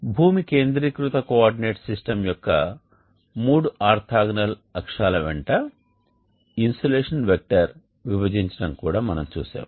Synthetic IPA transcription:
bʱuːmikeːnd̪ɾikɾut̪ɐkoaːɾɖine̞ːʈsisʈɐmjɔkːɐ̰ | muːɽuaːɾt̪ʰaːɡnɐlɐkʂaːlɐʋɛɳʈɐ | insɐleːʂɐnʋek̚ʈɐɾ | ʋiʋɐd͡ʒiɲt͡ʃɐ̥ɽɐmkuːɽaːmɐnɐmt͡ʃṵːsa̰ːm

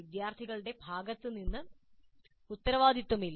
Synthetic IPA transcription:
id̪jaːrt̪ʰiɣɐɭɨɽe̞bʱaːɡɐt̪ːɨninːɨ | ut̪ːɐɾɐʋaːd̪it̪ːɐmilː

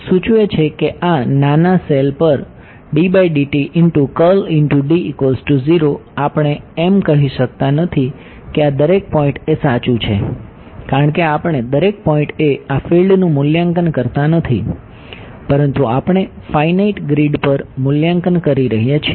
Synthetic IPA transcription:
sũt͡ʃuet͡ʃʰekeʔananaselpəɾ | ɖibaiɖiʈiʔɪnʈukəlɪɳʈuɖiːkolsʈuziɾoapəɳ̃eemkəɦiʃək̚t̪anət̪ʰi | kead̪əɾek̚pɔĩɳʈesat͡ʃũt͡ʃʰe | kaɾəɳkeapəɳ̃ed̪əɾek̚pɔĩɳʈeafilɖnũmʊljaŋkənkəɾt̪anət̪ʰḭ | pəɾənt̪uapəɳ̃efainaiʈɡɾiɖpəɾmʊljaŋkənkəɾiɾəɦijat͡ʃʰe

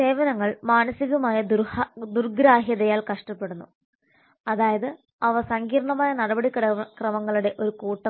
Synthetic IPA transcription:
se̞ːʋɐnɐŋːɐɭmaːnɐsiɣumaːjɐd̪d̪urɡɾaːɦjɐðɐjaːlkɐʂʈɐpːe̞ɽunːu | ɐðaːjɐðɨ | ɐʋɐsɐŋɡiːɾɐɳɐmaːjɐnɐɽɐbɐɽikːkrɐmɐŋːɐɭuɽe̞ʔo̞ɾukuːʈːɐ

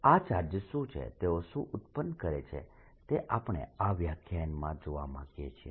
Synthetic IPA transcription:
at͡ʃaɾd͡ʒəʃũt͡ʃʰḛt̪eoʃũʔʊt̪pənkəɾet͡ʃʰḛ | t̪eʔapɳ̃ḛaʋjakʰjanmãd͡ʒoʋamãɡjet͡ʃʰḛ

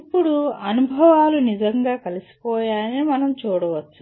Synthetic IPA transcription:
ipːuɽuɐnubʱɐʋaːlunid͡ʒɐŋɡaːkɐlisi̥pɔːjaːɐniimɐnɐmt͡ʃuːɽɐʋɐt͡ʃːu

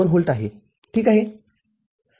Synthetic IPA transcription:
oɾɦolʈ̪aɦḛ | ʈʰiːkaɦe

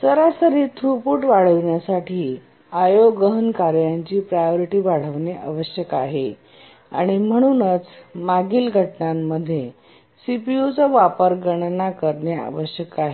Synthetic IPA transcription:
səɾasəɾiːt̪ʰɾupuːʈʋaɽ̤əʋɳjasaʈʰiː | ajoɡəɦənkaɾjaɲt͡ɕiːpɾajoɾiʈiːʋaɽ̤əʋneʔa̰ʋəɕjəkaɦe | a̰ɽ̃im̤əɽ̃uːnət͡smaɡiːlɡʱəʈnamːəd̪ʱːje | sipiut͡səʋapəɾɡəɳ̃nakəɾɳjea̰ʋəɕjəkaɦe

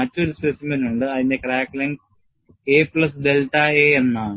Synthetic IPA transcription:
ɐtːo̞ɾuspesimɐnuɳɖɨɐðinde̞kraːkːleŋɡ | eːpɭɐsd̪elʈːaeenːaːɳ

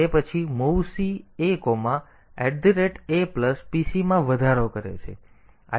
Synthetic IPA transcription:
epət͡ʃʰimowsiekomã | ɛʈ̚d̪iɾeʈepləspisimãʋəd̪ʱaɾokəɾḛt͡ʃʰḛ | a̰

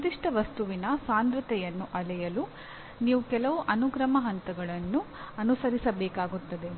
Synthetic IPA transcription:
d̪iʂʈɐʋɐst̪uʋinɐsaːnd̪ɾɐt̪ɛjɐnːuʔɐlɛjɐlu | niːʋukɛlɐʋuʔɐnuɡɾɐmɐɦɐnt̪ɐɡɐɭɐnːu | ɐnusɐɾisɐbɛːkaːɡut̪ːɐd̪e̞

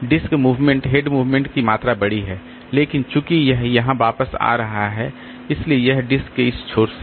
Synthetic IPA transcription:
ɖɪskmuːʋmɛ̃ɳʈɦeːɖmuːʋmẽɳʈkimaːt̪ɾabɐɽiɦɛː | leːkɪnt͡ʃʊkijɛɦjɐɦãʋaːpəsa̰ːɾɐɦaɦɛ | ɪsliejɛɦɖɪskːeɪst͡ʃʰoːɾs

